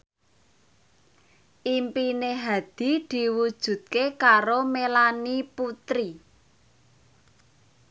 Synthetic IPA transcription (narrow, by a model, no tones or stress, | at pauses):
ʔimpineɦad̪̥i̤d̪̥i̤wud̥ʒ̥ṳt̪̚kekaɾomelaniput̪ɾi